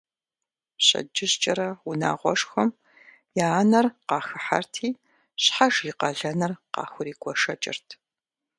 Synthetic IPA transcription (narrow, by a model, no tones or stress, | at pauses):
ɕʼɐ̰d͡ʒɪɕt͡ʃʼɐɾɐʊna̰ːʁʷɔʂxɐm | jaːnɐrqɑːxɨħa̰rtʰiː | ɕħaʒiːqɐɮɐnɐrqɑ̰ːxʷʊɾiːɡʷʼɔʂɐt͡ʃʼɪ̰rtʰ